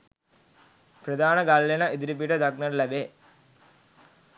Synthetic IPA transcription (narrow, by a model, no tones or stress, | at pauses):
pɾəd̪aːnəɡalːenəid̪ɾip̬iʈəd̪aknəʈlæbe